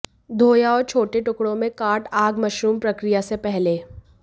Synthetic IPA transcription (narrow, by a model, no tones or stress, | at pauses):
d̪ʱoːjaɔːɾt͡ʃʰoːʈeʈʊkɽõmẽkaːʈaːɡmɐʃɾuːmpɾɐkɾijasepɛɦleː